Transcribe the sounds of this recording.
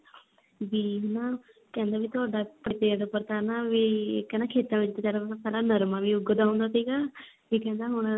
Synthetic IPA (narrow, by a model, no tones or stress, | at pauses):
ʋiːɦʊnãː | kɛ̃ːnd̪aːʋiːt̪ʊaːɖaːpəɽt̪eːd̪pəɾt̪aːnaːʋiːkɛːnaːkʰeːt̪ãːʋɪt͡ʃd̪eːd͡ʒaːɾat̪apɛlaːnəɾmãːʋiːʊɡd̪aːɦõːnd̪aːsiːɡaː | ʋiːkɛ̃ːnd̪aːɦʊñ